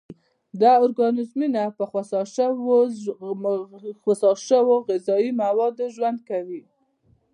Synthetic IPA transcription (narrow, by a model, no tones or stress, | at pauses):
d̪ɑʊɾɡɑnɪzminapəxwasɑʃəwo | xwasɑʃəwoɣɪzɑimawɑd̪oʒwand̪̚kawi